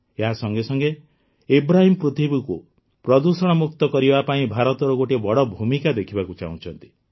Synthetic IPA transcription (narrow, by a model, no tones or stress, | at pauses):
eɦasɔŋɡesɔŋɡe | ebɾaɦimɔpɾut̪ʰibiku | pɾɔd̪usɔɽ̃ɔmuk̚t̪ɔkɔɾibapaĩbʱaɾɔt̪ɔɾɔɡoʈebɔɽɔbʱumikad̪ekʰibakut͡ʃa̰ũt͡ʃʰɔnt̪i̥